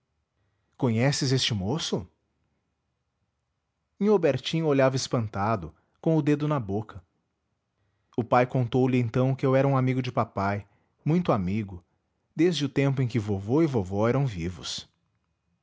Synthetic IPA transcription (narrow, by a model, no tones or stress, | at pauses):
kõɲɛsɪzest͡ʃɪmosʊ | ĩobeɾt͡ʃĩoʎavɐɪspɐ̃nt̪ad̪ʊ | kõʊd̪ed̪ʊnɐbokʰɐ | ʊpajkõnt̪owlɪẽj̪̃t̪ɐ̃w̃kɪewɛɾɐũamiɡʊd͡ʒɪpapaj | mũj̃t̪ʊamiɡʊ | d̪ezd͡ʒɪʊt̪ẽmpʊẽkɪvovoɪvovɔɛɾɐ̃w̃vivʊ̰s